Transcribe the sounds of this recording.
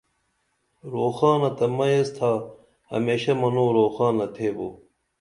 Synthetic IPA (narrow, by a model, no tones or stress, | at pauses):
ɾoːxaːnɐt̪ɐmɐjest̪ʰaː | hɐ̰meːɕɐmɐnoːɾoːxaːnɐt̪ʰeːboː